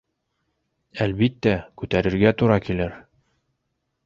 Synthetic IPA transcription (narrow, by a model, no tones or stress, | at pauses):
ælbit̪ːækʉt̪æɾɘ̆ɾɡæt̪uɾɑkilɘɾ